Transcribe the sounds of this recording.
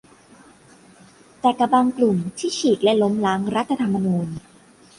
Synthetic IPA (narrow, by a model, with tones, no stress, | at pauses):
t̪ɛː˨˩kːa˧baː˧ŋklu˨˩mt̪ʰiː˥˩t͡ɕʰiː˨˩k̚lɛ˦˥lo˦˥mlaː˦˥ŋɾa˦˥t̪ʰːa˧t̪ʰa˧mːa˧nuː˧n